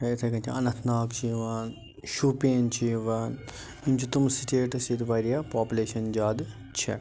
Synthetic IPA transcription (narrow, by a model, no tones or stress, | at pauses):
et̪ʰɐkɐnt̪ʰiɐnɐt̪ʰnaːkt͡ʃiːʋaːn | ʃupeːnt͡ʃʰiʋaːn | int͡ʃut̪umsiʈeːʈɐsitʋɐɾijaːpaːpʲuleːʃɐnd͡ʒaːd̪ | t͡ʃʰḛ